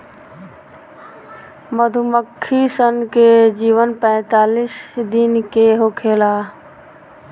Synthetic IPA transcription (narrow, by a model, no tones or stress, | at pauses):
məd̪ʱuməkʰːisənked͡ʒiːʋənpɛ̃ːt̪aːlisd̪ɪnkeɦokʰeːlaː